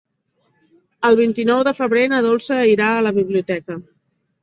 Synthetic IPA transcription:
əlˠβ̞int̪inɔwðəfəβɾenəðolˠsəiɾaələβiβ̞liut̪ɛkə

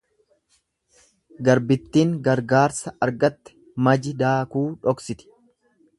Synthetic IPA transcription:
ɡɐɾbɪt̪ːiːŋɡɐɾɡaːɾsɐɐɾɡɐt̪ːɛ̥ | mɐd͡ʒɪd̪aːkuːᶑɔksɪt̪ɪ̥

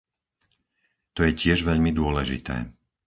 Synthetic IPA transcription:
t̪ɔjɛcɪɛʒʋɛʎmid̪ʊɔlɛʒḭt̪ɛ̰ː

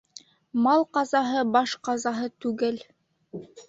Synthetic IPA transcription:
mɑlˠqɑzɑɦɤbɑʃqɑzɑɦɤt̪ʉɡɘl

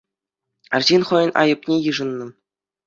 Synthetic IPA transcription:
ɘ̆rʲʑinʲχɤ̆jɤ̆nʲʔɑ̰jɤ̆pnʲejɯʐɤ̆nːɤ̆

